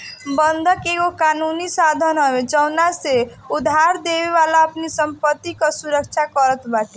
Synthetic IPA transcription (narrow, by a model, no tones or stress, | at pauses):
bənd̪ʱəkeokanunisad̪ʱənɦəbed͡ʒəʊnase | ud̪ʱːaɾd̪ebeʋalaəpnisəmpət̪ːikəsuɾəkt͡ʃʰakəɾət̪bat̪i